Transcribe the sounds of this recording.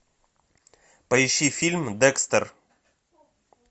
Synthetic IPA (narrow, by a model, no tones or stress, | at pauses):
pɐjɪɕifʲilʲmd̪ɛkst̪ər